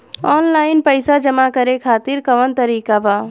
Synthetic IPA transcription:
ɔːnlaːɪnpɐɪsad͡ʒɐmakɐɾekʰaːt̪ɪɾkɐʋənt̪ɐɾiːkabaː

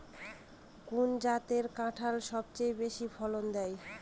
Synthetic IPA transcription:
kund͡ʑat̪eɾkãʈʰalʃɔbt͡ɕejbeʃibʰʱɔlond̪ɛj

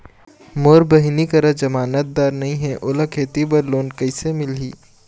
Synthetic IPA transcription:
moːɾbɐɦnikɐɾəd͡ʒɐmaːnət̪̚d̪aːɾnɐɦĩɦɛ̃ʔoːləkʰeːt̪ibɐɾloːnkɐɪsemɪliː

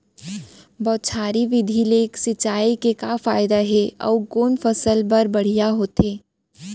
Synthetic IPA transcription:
bɔːt̪̚t͡ʃʰaːɾiʋɪd̪ʱileːksɪt͡ʃːaːikekafaːɪd̪aɦɛɔ̰ːkoːnfəsəlbɐɾbɐɽ̤ijaɦoːt̪eː

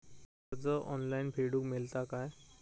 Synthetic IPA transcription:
əɾd͡zəʔɔnlainpʰeɽuːkmelt̪akaj

